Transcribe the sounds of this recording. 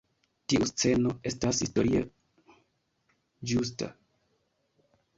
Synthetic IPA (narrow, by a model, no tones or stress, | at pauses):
tiʔust͡se̞no̞e̞stashisto̞ɾia̰ | d͡ʒus̬ta̰